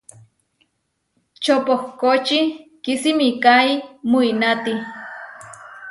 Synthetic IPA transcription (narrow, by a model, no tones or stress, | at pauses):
t͡ʃopohkot͡ʃikisimikaimuinat̪i